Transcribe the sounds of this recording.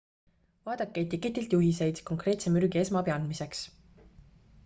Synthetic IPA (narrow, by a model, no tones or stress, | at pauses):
vɑːd̪̥ɑkːˑeet̪ʲikːˑe̞t̪ːˑilt̪juɦise̞jt̪ko̞ŋkre̞ːt̪semyɾɡ̥ie̞smɑpiɑnd̪mise̞ks